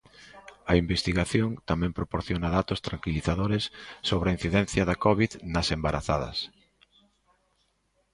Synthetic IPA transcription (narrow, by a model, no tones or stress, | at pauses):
ɐimbest̪iɣaθjoŋt̪amɛ̃mpɾopoɾθjonɐðat̪ost̪ɾaŋkiliθaðoɾɪsːoβ̞ɾɐin̟θiðɛn̟θjɐðɐkɔβiðnɐsembaɾaθaðɐ̰s